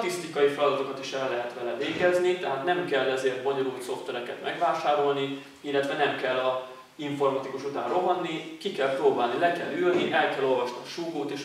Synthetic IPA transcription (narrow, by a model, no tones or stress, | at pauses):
t̪ist̪ikɒjifɛlɒd̪ɒt̪o̞kɒt̪iʃɛrɛlːɛɦɛt̪ʋɛlɛveːɡɛznit̪ɛɦaːt̪nɛmkɛlːɛzeːrt̪̚bo̞ɲo̞ɾuːlt̪so̞ft̪vɛɾɛkɛt̪mʔɛɡʋaːʃaːɾo̞lni | ilːɛt̪vɛnɛmkɛlːɒ | iɱfo̞rmɒt̪ikuʃut̪a̰ːnroɦɒnːikikɛlproːbaːlnilɛkɛlylniʔɛlkɛlːo̞lvɒʃniɒʃuːkoːt̪eːʃ